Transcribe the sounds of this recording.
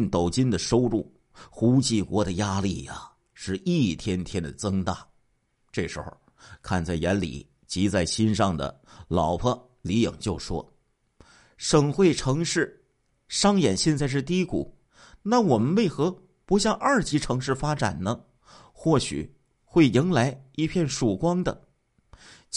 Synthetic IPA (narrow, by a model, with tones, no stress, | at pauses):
ŋt̪o˨˩ʊt͡ɕi˥nd̪ə˨ʂo˥ʊɻu˥˩ | xu˧˥t͡ɕi˥˩kwɔ˧˥d̪ə˨ja˥li˥˩a˨ | ʂɻ̩˥˧i˥˩t̪ʰjɛ˥nt̪ʰjɛ˥nd̪ə̰˨˩t͡sɤ˥ŋt̪a̰˥˩ | ʈ͡ʂɤ˥˩ʂɻ̩˧˥xo̰˥˩ʊ | kʰa˥˧nt͡sa˥˩ɪjɛ˧˥nlḭ˨˩ | t͡ɕi˧˥t͡sa˥˩ɪɕi˥nʂɑ˥˩ŋd̪ə̰˩lɑ˨˩ʊpʰə˥˧ | li˧˥jɤ̰˨˩ŋt͡ɕjo˥˩ʊʂwɔ̰˥ | ʂɤ˨˩ŋxwe˥˩ɪʈ͡ʂʰɤ˧˥ŋʂɻ̩˥˩ | ʂɑ˥ŋjɛ˨˩nɕjɛ˥˧nt͡sa˥˧ɪʂ̬ɻ̩˥˧t̪i˥kṵ˨˩˦ | na˥˩wɔ˨˩mə˦nwe˥˩ɪxɤ˧˥ | pu˧˥ɕjɑ˥˧ŋʔɐ˞˥˩t͡ɕi˧˥ʈ͡ʂʰɤ˧˥ŋʂɻ̩˥˩fa˥ʈ͡ʂa̰˨˩nnə˦ | xwɔ˥˩ɕy̰˨˩ | xwe˥˩ɪi˧˥ŋla˧˥ɪi˥˧pʰjɛ˥˩nʂu˨˩kwɑ˥ŋd̪ə̰˨